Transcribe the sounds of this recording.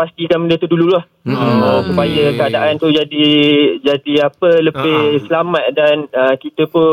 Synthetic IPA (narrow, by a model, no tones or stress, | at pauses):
past̪ikanbəndiat̪udululah | ɔsupajəkəadaʔant̪ud͡ʒadid͡ʒadiapələbɪhsəlamat̪̚danəkit̪əpʊ